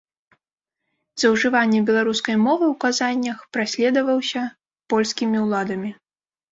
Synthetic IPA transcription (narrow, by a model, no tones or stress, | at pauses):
zɐwʐɨvanʲːɛbʲɛlˠaɾuskɐjmɔvɨwkazanʲːɐxpɾasʲlʲɛd̪ɐvɐwsʲɐ | pɔlʲskʲimʲiwlˠad̪ɐmʲi